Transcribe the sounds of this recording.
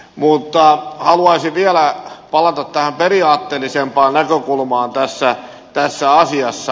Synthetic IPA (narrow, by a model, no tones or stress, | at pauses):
mut̪ːɑhɑluɑisiʋiælæpɑlɑt̪ɑt̪tæhæmperiɑːt̪ːeːlisempɑːnnækøkulmɑːnt̪æsːæ | t̪æsːæɑsiɑsːɑ